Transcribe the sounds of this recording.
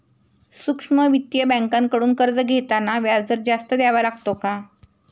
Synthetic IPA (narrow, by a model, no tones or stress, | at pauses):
sukʂməʋit̪jəbə̃ŋkãŋkəɽuːnkəɾd͡zəɡʱet̪anaʋjad͡zd͡z̪əɾd͡ʑast̪əd̪jaʋalaɡt̪oka